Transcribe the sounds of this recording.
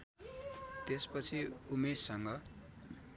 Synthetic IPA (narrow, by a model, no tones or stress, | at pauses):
t̪espʌt͡sʰiumesʌŋɡʌ